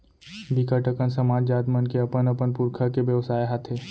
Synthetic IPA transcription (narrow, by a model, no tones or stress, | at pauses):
bikaʈəkənsɐmaːd͡ʒd͡ʒaːd̪mənkeɐpənɐpənpuɾkʰakeʋjəʋsaːeɦat̪ʰeː